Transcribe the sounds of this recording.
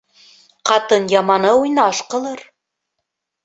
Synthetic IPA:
qɑt̪ɤnjɑmɑnɤujnɑʃqɤ̆lˠɤɾ

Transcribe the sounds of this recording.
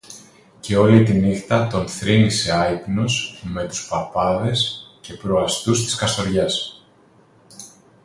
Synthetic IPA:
ce̞o̞lit̪inixt̪ɐt̪o̞nθɾinise̞ɐipnusme̞t̪u̥spɐpɐðe̞sce̞pɾoɐst̪ust̪i̥skɐso̞ɾʝɐs

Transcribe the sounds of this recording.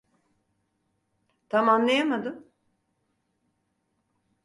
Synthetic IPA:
t̪ʰamanlˠajamad̪ɯm

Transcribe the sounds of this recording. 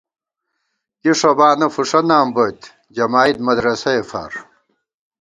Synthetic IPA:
kiʂɐbaːnɐfuʂɐnaːmbot̪ | d͡ʑɐmaːid̪̚mɐd̪ɾɐsɐefɐ̰ɾ

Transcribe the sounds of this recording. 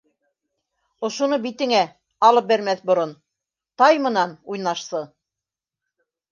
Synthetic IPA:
ŏʃunɤbit̪ɘ̆ŋæ | ɑlˠɤp̚bæɾmæθbŏɾon | t̪ɑjmɤ̆nɑnujnɑʃsɤ

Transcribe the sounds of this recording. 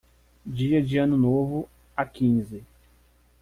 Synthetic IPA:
d͡ʒiɐd͡ʒɪɐ̃nʊnovʊ | akĩzɪ

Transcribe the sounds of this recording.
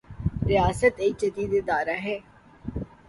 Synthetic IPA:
ɾɪjaːsət̪eːt͡ʃɐd̪iːd̪ed̪aːɾaɦɛː

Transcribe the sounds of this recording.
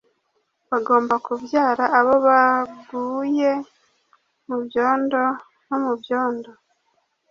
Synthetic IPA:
βaɡo̞ːmbakuvjaːɾaʔːβo̞βaɡuːje̞ | muβjo̞ːndo̞ | nomuvjo̞ːndo̞

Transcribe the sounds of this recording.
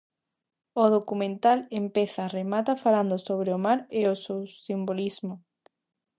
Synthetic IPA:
oðokumẽnt̪alempeθaremat̪afaland̪ʊsoβ̞ɾeomaɾeosewsimbolizmo

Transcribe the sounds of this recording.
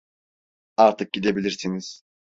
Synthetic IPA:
aɾt̪ʰɯk̚ɟid̪e̞bilʲiɾsiniz̥

